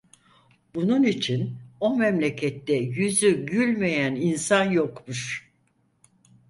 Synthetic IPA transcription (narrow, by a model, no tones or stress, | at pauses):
bununit͡ʃʰino̞mɛmlʲecʰɛt̪ːɛjyzyɟylʲmejæninsanjokmuɾ̥